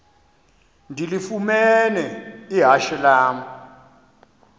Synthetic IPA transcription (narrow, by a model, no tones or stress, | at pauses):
ndʱilifumɛnɛiɦaʃɛlaːmɔ